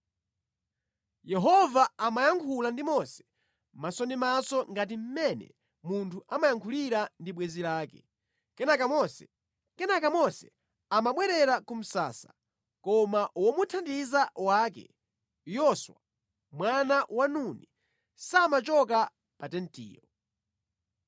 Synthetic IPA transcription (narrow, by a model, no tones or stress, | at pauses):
jɛɦɔvaamajaŋkʰulandimɔsɛ̥ | masɔnimasɔŋɡat̬im̩mɛnɛ̰ | muntʰuʔamajaŋkʰuliɾandiɓwɛzilaːkɛ̥ | kɛnakamɔsɛ̥ | kɛnakamɔsɛ | amaɓwɛɾɛɾakum̩sa̰ːsḁ | kɔmaʔwɔmutʰandizawaːkɛ̰ | jɔswa | mwanawanuni | samat͡ʃɔka | patɛntḭːjɔ